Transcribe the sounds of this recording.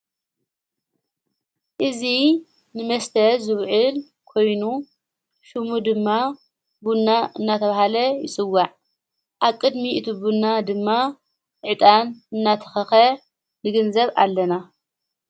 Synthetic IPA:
ʔɨzi | nɨmɐst̪ʰɐzɨβʕɨl | kʰo̞jnu | ʃumud̪ɨmːa | bunːaʔɨnːat̪ʰɐβahalɐjɪsʼɨwːaʕ | ʔaβkʼɨd̪miʔt̪ʰubunːad̪ɨmːa | ʕɨt̪ʼanɨnːat̪ʰɐ̥xɐxɐ | nɨɡɨnzɐβa̰lːɐna

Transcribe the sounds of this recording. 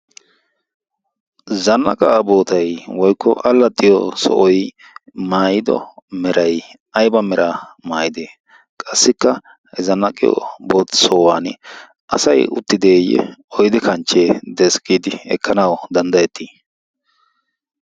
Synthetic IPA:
zɐnːɐ̰kʼaːbo̞ːt̪ɐjwɔjkːɔ̰ʔɐlːɐt̪ʼːɪjɔsɔ̰ʔɔj | maːjɪd̪ɔ̰mɛɾɐj | ɐjbɐmɛɾamaːjɪd̪eː | kʼɐsːɪkːɐ | ɛzɐnːɐkʼɪjɔ̰bo̞ːt̪sɔwaːn | ʔɐsɐjʊ̰t̪ːɪd̪eːjːɛ̰ɔjd̪ɪkɐnt͡ʃːeːd̪ɛskʼiːd̪ɪɛ̰kːɐnɐwɔd̪ɐnd̪ɐjɛt̪ːiː

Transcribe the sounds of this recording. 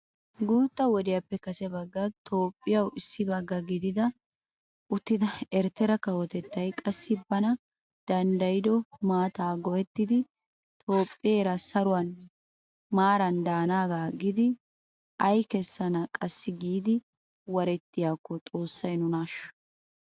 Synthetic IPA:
ɡuːt̪ʼːɐwɔd̪ɪjɐpːɛkɐsɛbɐɡːɐt̪ʰo̞ːpʼːɪjɐwɪsːɪbɐɡːɐɡɪd̪ɪd̪ɐ | ʔʊt̪ːɪd̪ɐɛɾt̪ːɛɾɐkɐwɔt̪ɛt̪ːɐjkʼɐsːɪbɐnɐ | d̪̥ɐnd̪ɐjɪd̪ɔmaːt̪aːɡɔʔɛt̪ːɪd̪ɪ | t̪ʼo̞ːpʼːɪjeːɾɐsɐɾʊwɐn | maːɾɐnd̪aːnaːɡaːɡɪd̪ɪ | ʔɐjkɛsːɐnɐkʼɐsːɪɡiːd̪ɪ | wɐɾɛt̪ːɪjaːkːɔt̪ʼo̞ːsːɐjnʊnaːʃɔ̥

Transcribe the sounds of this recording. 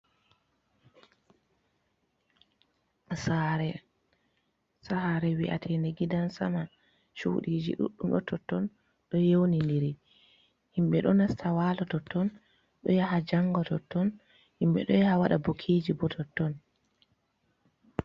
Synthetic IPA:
asaɾɛ | sahaɾɛwiʔa̰tʰɛndɛɡidansama | ʃṵɗiːd͡ʒḭɗṵɗːumɗɔtʰɔtːɔn | ɗɔjewnindiɾi | himɓɛɗɔnastʰawalɔtɔtːɔn | ɗɔjaɦad͡ʒaŋɡɔtɔtːɔn | himɓɛ̰ɗɔjahawaɗabokʰiːd͡ʒibɔtʰɔtːɔn

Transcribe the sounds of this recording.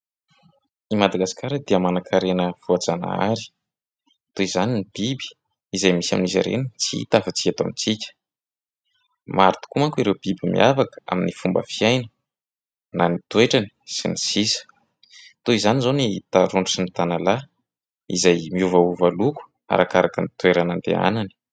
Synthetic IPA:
imad̪aɡasi̥kaɾəd̪iəmanakʰaɾenəfuad͡zana̰a̰ɾi̥ | t̪uizaninib̥ibi̥ | izajmisa̰mniza̰ɾḛnit͡sit̪afat͡siat̪amit͡sikʲə̥ | maɾit̪u̥kumaŋkuiɾewb̥ibimḭʔavakə̥a̰minifumbə̰fiajnə̥ | nanit̪weʈ͡ʂani̥sḭnisisə̥ | t̪uizanizonit̪aɾuɳɖ͡ʐaʈ͡ʂinit̪anala | ḭzajmiuvauvaluku̥ | a̰ɾʔakaɾakənit̪weɾanand̪ḛa̰nani̥

